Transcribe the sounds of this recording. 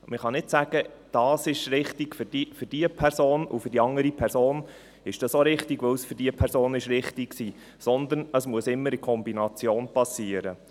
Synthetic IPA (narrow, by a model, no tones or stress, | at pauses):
məχɑnɪtsæɡ̥ə | d̥ɑːsɪʃɾɪχtɪɡ̥fʏd̥ifʏd̥iəpʰɛrsoːnṵfʏɾd̥iɑŋəɾipʰɛɾsoːn | ɪʃd̥ɑsoɾɪχtɪɡʋəwsfʏɾdiəpʰɛɾsoːnɪʃɾɪχtɪksiː | sɔnd̪ənəsmuəsɪmːəɾɪkʰɔmbinɑt͡sjoːnpʰɑsiːəɾə